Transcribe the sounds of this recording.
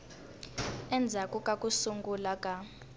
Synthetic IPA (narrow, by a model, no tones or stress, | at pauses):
ɛnd͡zʱakʼukʼakʼusuŋɡulakʼa